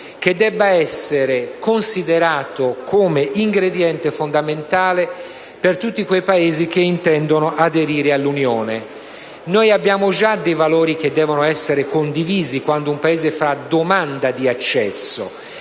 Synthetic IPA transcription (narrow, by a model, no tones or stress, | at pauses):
k̟ed̪ːɛbːaɛsːeɾekonsid̪eɾaːt̪okʰomeʔiŋɡɾed̪jɛnt̪efond̪ament̪aːle | pert̪ut̪ːikwejpaeːzik̟eint̪ɛnd̪onoʔad̪eɾiːɾealːunjoːne | nojabːjaːmod͡ʒad̪ejvaloːɾik̟ed̪ːɛːvonoɛsːeɾekond̪iviːzikwand̪oumpaeːzefɾad̪omand̪ad̪iat͡ʃːɛ̰sːo̰